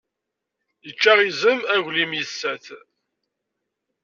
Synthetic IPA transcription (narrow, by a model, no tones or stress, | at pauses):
jət͡ʃːæʁizəmæʝlimjəsːæθ